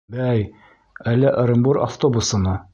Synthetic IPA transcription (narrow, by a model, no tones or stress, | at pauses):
bæj | ælːæʔ̆ɾɤ̆mbuɾa̰ft̪obusɤ̆nɤ